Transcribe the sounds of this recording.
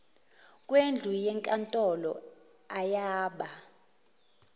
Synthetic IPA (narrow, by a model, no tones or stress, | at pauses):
kʼwend͡ɮʱujɛŋkʼantʼɔlɔ̰ | ajaːɓa